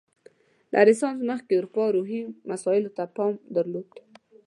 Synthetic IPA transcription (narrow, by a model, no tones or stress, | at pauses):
lʔa̰ɾɪsɑnzməxkeuɾupɑɾuɦimasɑɪlot̪apɑmd̪əɾlod̪̥